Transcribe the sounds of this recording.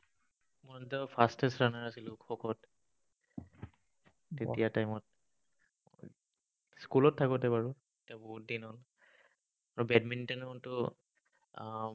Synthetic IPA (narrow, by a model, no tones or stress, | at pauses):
mɔɔntɔpʰastɛsɹanaɹasilʊkʰɔkʰɔt | etijatajmɔt̚ | skulɔtʰːakɔtɛbaɹʊ | etiabɔɦut̚dinɦɔl | aɹubɛdmintɔntʊ